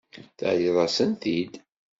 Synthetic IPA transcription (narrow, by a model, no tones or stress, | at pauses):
θə̰ʕliðˤɑsənθid̪